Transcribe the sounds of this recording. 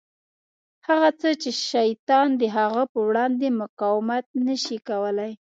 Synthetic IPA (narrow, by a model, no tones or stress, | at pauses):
haɣat͡sət͡ʃeʃajt̪ɑnd̪əɦaɣəpəwɽɑnd̪emʊqɑwɪmat̪̚nəʃikawəlaj